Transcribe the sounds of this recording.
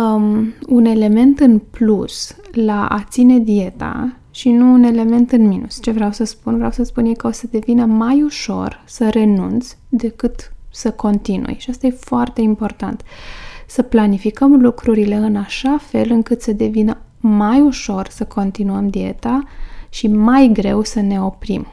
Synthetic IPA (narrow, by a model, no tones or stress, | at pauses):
une̞le̞me̞nt̪ɨnpluslaʔa̰t̪sine̞d̪ie̞t̪a̰ | ʃinuːne̞le̞me̞nt̪ɨnminṵst͡ʃe̞vɾeawsəspunvɾeawsəspunjekəo̞səd̪e̞vinəmajuʃo̞̰rsəɾe̞nṵnt̪sʲd̪e̞kɨt̪səko̞nt̪inṵjʃiast̪ajefoart̪e̞impo̞rt̪a̰nt̪səplanifikəmlukɾuɾile̞ɨnaʃafe̞lɨŋkɨt̪səd̪e̞vinə | majuʃo̞rsəkʰo̞nt̪inuəmd̪ie̞̰t̪aʃimajɡɾe̞wsəne̞o̞pɾim